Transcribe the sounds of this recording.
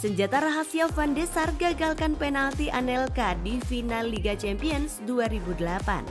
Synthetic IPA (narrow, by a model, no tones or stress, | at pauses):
səɲd͡ʒat̪aɾaɦasiafandɛsarɡaɡalkanpɛnalt̪iʔanɛlkadifinalːiɡat͡ʃɛmpiənsduaɾibudəlapa̰n